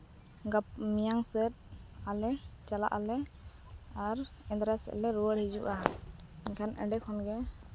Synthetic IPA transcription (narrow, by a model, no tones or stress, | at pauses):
ɡapmijaŋsɛt̪̚alɛt͡ʃala̰ʔalɛ | aɾɛ̃nd̪ɾasɛ̰ʔlɛɾuwəɽhid͡ʒuʔa | ɛkʰanʔɛ̰ɖɛkʰɔnɡɛ